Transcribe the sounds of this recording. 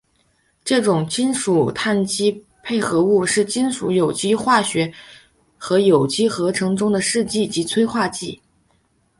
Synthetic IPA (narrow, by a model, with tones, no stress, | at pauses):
ʈ͡ʂɤ˥˩ʈ͡ʂʊ˨˩ŋt͡ɕi˥nʂu˨˩t̪ʰa˥˩nt͡ɕi˥ | pʰe˥˩ɪxɤ˧˥u˥˧ʂɻ̩˥˩t͡ɕi˥nʂu˧˥jo˨˩ʊt͡ɕi˥xwa˥˩ɕɥɛ˧˥ | xɤ˧˥jo˨˩ʊt͡ɕi˥xɤ˧˥ʈ͡ʂʰɤ˧˥ŋʈ͡ʂʊ˥ŋd̪ə˨ʂɻ̩˥˧t͡ɕi˥˩t͡ɕi˧˥t͡sʰwe˥ɪxwa˥˧t͡ɕi˥˩